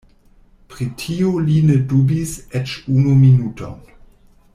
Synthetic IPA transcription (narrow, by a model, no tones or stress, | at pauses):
pʁitʰiolinedubisɛt͡ʃunominutʰo̰n